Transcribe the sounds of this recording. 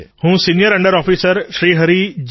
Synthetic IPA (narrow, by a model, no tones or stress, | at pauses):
hũːsiːnijəɾə̃ɳɖəɾɔːpʰiːsəɾʃɾiːɦəɾid͡ʒ